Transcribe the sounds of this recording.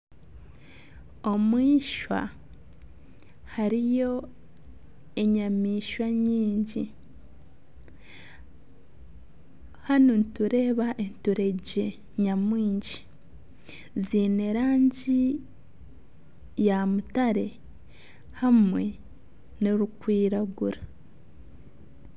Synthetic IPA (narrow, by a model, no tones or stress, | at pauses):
o̞mwiːʃwa̰ | haɾijo̞ | e̞ɲamiːʃwaɲiːɲɟi | hanonituɾe̞ːβaʔentuɾe̞ɟe | ɲamwiːɲɟi | ziːneɾaːɲɟi | jamutaɾe̞ | hamwe̞ | niɾukwiːɾaɡuɾa